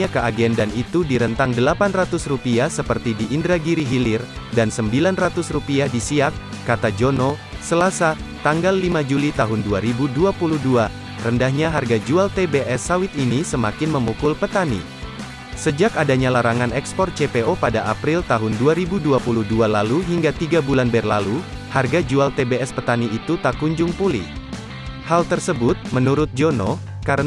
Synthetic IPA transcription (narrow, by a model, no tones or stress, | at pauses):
akəaɡɛndanit̪udiɾənt̪aŋdəlapanrat̪ʊsrupiasəpərt̪idiʔːndɾaɡiɾiɦilɪrdansəmbilanrat̪ʊsrupiadisiakː | at̪ad͡ʒono | səlasa | t̪aŋɡalːimad͡ʒulit̪aɦʊnduaɾibuduapuluhdua | rəndahɲaɦarɡad͡ʒualt̪ebeʔɛsawɪt̪inisəmakɪnməmukʊlpət̪anḭ | səd͡ʒakadaɲalaɾaŋanɛkspɔrt̪̚t͡ʃepeopadaʔapɾɪlt̪aɦʊnduaɾibuduapuluhdualaluɦiŋɡat̪iɡabulanbɛrla̰lu | harɡad͡ʒualt̪ebeɛspət̪aniit̪ut̪akuɲd͡ʒʊŋpulḭh | halt̪ərsəbʊt̪̚mənuɾʊt̪̚d͡ʒonɔ̰ | kaɾə